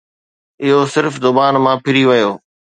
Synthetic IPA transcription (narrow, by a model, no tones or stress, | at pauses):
ɪɦosɪɾfd̪ʊbaːnmãpʰɪɾiʋɐjoː